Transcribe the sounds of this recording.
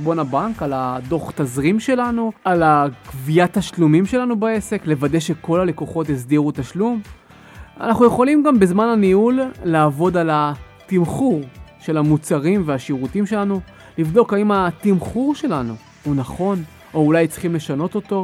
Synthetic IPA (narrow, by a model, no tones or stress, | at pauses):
bo̞nabaŋkalad̪o̞χt̪azʁimʃe̞lanualakvijat̪aʃlumimʃe̞lanubae̞se̞kle̞vade̞jʃe̞ko̞lale̞koχo̞t̪̬is̬d̪iʁutaʃlum | a̰naχnuje̞χo̞limɡambezmananiulːaːvo̞dala | timχuʁʃe̞lamut͡saʁimveaʃiʁutimʃe̞lanu | livd̪o̞kaimat̪imχuʁʃe̞lanu | hunaχo̞n | ʔo̞ulajt͡si̥χimle̞ʃano̞t̪o̞t̪o̞